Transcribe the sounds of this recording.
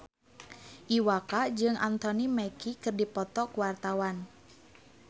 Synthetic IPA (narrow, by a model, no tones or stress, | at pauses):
ʔiwakad͡ʒɨŋʔa̰nt̪ɔnimɛkikɨrdipɔt̪ɔkuwart̪awan